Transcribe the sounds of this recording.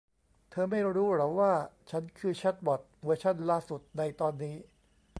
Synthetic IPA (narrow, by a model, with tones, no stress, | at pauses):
t̪ʰɤː˧ma˥˩jɾuː˦˥ɾa˨˦wwaː˥˩t͡ɕʰa˦˥nkʰɯː˧t͡ɕʰa˦˥t̪̚bɔ˨˩t̪̚mɯ˧˩t͡ɕʰa˥˩nlaː˥˩su˨˩t̪̚na˧jt̪ɔː˧nːiː˦˥